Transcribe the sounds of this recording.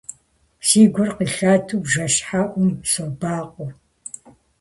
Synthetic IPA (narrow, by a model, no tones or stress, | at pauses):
siːɡʷʊrqiɬaːtʰubʒɐʃħaʔʷʊmsobaːqʷʼɔ